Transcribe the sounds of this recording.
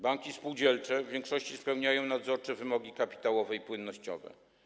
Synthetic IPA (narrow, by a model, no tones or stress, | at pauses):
baŋkʲispuwd͡ʑɛlt͡ʂɛvʲjeɛŋkʂɔɕt͡ɕispɛwɲajɔ̃w̃nad̪zɔɾt͡ʂɛvɘmɔɡʲikapʲi̥t̪awɔvɛipwɘnːɔɕt͡ɕɔ̰vɛ̰